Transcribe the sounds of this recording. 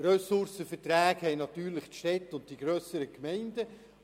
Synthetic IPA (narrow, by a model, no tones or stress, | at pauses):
røsʊɾsəfətɾæːɡhɛɪnɑt̪yːɾlɪχtʃtɛtːʊnt̚d̥iɡ̥ɾøːsəɾəkmɛɪndə